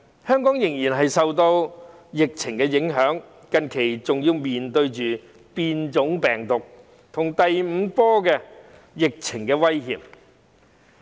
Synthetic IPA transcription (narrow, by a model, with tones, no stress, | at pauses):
hœː˥ŋkɔː˨˥ŋjɪ˨˩ŋjiː˨˩nɦɐ˨jsɐ˨wt̪o˧w | jɪ˨k̚t͡sʰɪ˨˩ŋkɛː˧jɪ˨˥ŋɦœː˨˥ŋ | kɐ˧nkʰe˨˩jt͡sʊ˨ŋjiː˧wmiː˨nt̪ɵ˧ɥt͡ʃyː˨ | piː˧nt͡ʃʊ˨˥ŋpɛː˨˩ŋt̪ʊ˨k̚ | t̪ʰʊ˨˩ŋt̪ɐ˨jm̩˨˧pɔː˥kɛː˧ | jɪ˨k̚t͡sʰɪ˨˩ŋkɛː˧wɐ˥jɦiː˧˥p̚